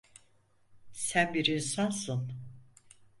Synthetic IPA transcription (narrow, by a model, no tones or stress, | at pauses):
sænbiɾinsansɯn